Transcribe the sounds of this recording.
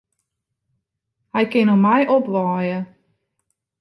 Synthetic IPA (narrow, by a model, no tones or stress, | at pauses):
hɛjkɪnɔmɛjʔɔpʋɑːjə